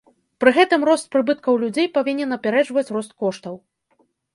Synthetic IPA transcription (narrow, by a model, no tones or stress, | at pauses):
pɾɨɣɛt̪ɨmrɔst̪̚pɾɨbɨt̪̚kɐwlʲud͡zʲejpavʲinʲɛnɐpʲɛɾɛʐvɐt͡sʲrɔst̪̚kɔʂt̪ɐw